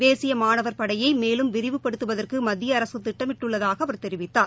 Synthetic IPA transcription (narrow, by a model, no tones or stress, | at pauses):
ʋeːsɪjɐmaːnɐʋɐɾpɐɽɐjɐɪmeːlɯmʋɪɾɪʋɯpːɐɽɯt̪ːɯʋɐðɐrkɯmɐðːɪjɐːɾɐsɯt̪ːɪʈːɐmɪʈːɯɭːɐðaːɣɐɐʋɐɾt̪ɛɾɪʋɪt̪ːaːɾ